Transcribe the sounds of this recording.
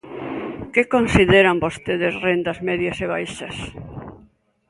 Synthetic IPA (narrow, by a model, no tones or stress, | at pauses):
kekonsiðeɾambost̪eðesrend̪ɐzmeðjɐseβ̞ajʃɐs